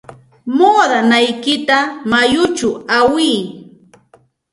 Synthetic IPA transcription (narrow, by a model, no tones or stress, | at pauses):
moːðanajkɪt̪amajʊt͡ʃʊawiː